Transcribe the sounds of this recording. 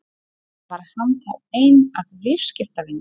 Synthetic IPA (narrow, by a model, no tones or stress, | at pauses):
vaɾhanθaejnavvɪɾ̥scɪft̪avɪn